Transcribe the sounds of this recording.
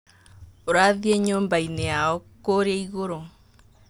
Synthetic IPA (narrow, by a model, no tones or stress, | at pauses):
oɾaðiɛɲoːmbaineaɔkoɾeeiɣoɾo